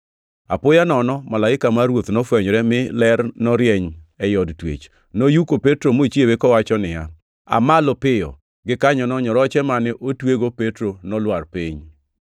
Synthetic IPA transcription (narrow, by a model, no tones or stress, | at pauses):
a̰pʊjanɔnɔmalaɪkamaɾwot̪nɔfwɛɲɾɛmɪlɛɾnɔɾjɛɲɛjɔdtwḛt͡ʃ | nojukopetɾomoit͡ʃiewekɔwat͡ʃɔnɪja | a̰malopɪjɔ̰ | ɡɪkaɲɔnɔɲɔɾɔt͡ʃɛmanɪʔotweɡopetɾonɔlwarpiɲ